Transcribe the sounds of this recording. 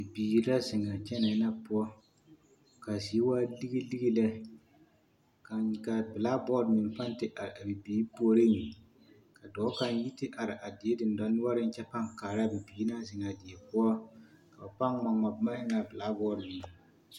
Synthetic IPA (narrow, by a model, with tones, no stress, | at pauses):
bi˨biː˨˦la˦zɪ˨ŋa˨t͡ʃɛ˦na˨˦na˦pʊ˦ɔ˦ | ka˨zi˨e˦waː˦li˦ɡi˦li˦ɡi˦lɛ˦ | ka˨ka˨bɪ˨la˦bɔ˦dmɪ˨n˨pa˦n˦tɪ˦ʔa˨ɾa˨bi˨biː˨˦pu˦ɔ˦ɾe˦ɲi˨ | ka˨dɔː˨˦ka˦n˦ji˦tɪ˦ʔa˨ɾɪ˨ʔa˨dɪ˨e˦dɪ˨n˨da˨˦n˦a˦ɾɪ˦n˦t͡ʃɛ˦pa˦ŋkaː˨ɾa˦˨bi˨biː˨˦na˦zɪ˨ŋa˨dɪ˨e˨pʊ˦ɔ˦ka˨ba˨pa˦nŋa˨ŋa˨bma˦hɪ˦ŋa˨bɪ˨la˦bɔː˦dmɪ˨ŋ˨